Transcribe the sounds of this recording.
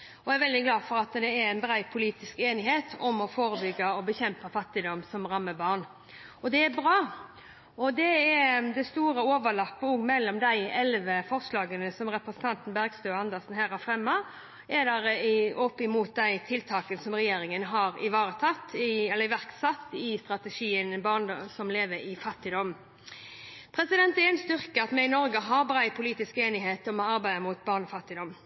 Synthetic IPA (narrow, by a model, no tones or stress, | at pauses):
ɔæɾʋɛld̪ɪɡlɑːd̪fɔɾɑt̪d̪ɛæɾæɪnbɾæɪpʰʊliːt̪ɪskeːnɪɦeːt̪ʰɔmɔfoːɾəbʏɡːɑɔbəçɛmpəfɑt̪ːɪd̪ɔmsɔmɾɑmːəbɑːʁn | ɔd̪ɛæbɾɑː | ɔd̪ɛɛd̪ɛst̪uːɾəoːʋəlɑpːəɔːɡmɛlːɔmd̪æɪɛlʋəfɔɾslɑːɡənəsɔmɾɛpɾəsən̩t̪ʰɑnt̪n̩bæɾɡst̪øːɑnd̪əsn̩ɦæːɾhɑɾfɾɛmːɑ | ɛd̪æɾəɪɔpɪmuːt̪̚d̪æɪt̪ʰɪlt̪ʰɑːkənsɔmʁɛjeːɾɪŋənɦɑːɾɪʋɑːʁət̪ʰɑt̪ːɪɛlːəɪʋæʁksɑt̪ːɪst̪ɾɑt̪əʂiːənbɑʁnsɔmleːʋəɾɪfɑt̪ːɪd̪ɔm | pʰɾɛsɪd̪ɛnt̪ɛɛnst̪ʏʁkəɑt̪mɛɪnɔɾɡəɦɑːbʁæɪpʰʊliːt̪ɪskeːnɪɦeːt̪ɔmɛɑɾbæɪəmuːt̪̚bɑːʁnɔfɑt̪ːɪd̪ɔm